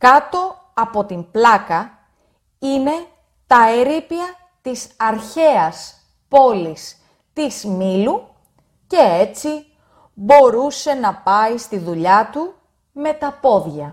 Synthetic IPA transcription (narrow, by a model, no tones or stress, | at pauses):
kɐt̪o̞ | ɐpo̞t̪implɐkɐ | ine̞ | t̪ɐeɾipiɐ | t̪isɐɾçe̞ɐs | po̞lis | t̪izmilu | ce̞et͡si | bo̞ɾuse̞nɐpɐist̪iðuʎɐt̪u | me̞t̪ɐpo̞ðʝɐ